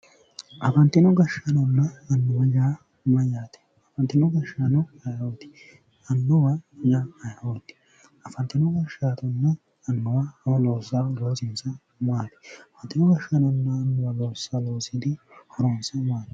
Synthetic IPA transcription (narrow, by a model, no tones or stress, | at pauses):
ʔɐfɐnt̪ːɪnɔɡɐʃːɐnɔnːɐːnːʊwɐjaː | mɐjaːt̪ɛ̥ | ɐfɐnt̪ːɪnɔɡɐʃanɔhɐjot̪ɪ̥ | ɐnːʊwɐjaɐjot̪ːɪ̥ | ɐfɐnt̪ːɪnɔɡɐʃːaːt̪ɔnːɐː | nːʊwɐloːsːaloːsɪnsɐ | maːt̪ɛ̥ɐfɐnt̪ːɪnɔɡɐʃɐnɔnːɐːnːʊwɐloːsːaloːsɪd̪ɪhɔɾɔnsɐmaːt̪ɛ̥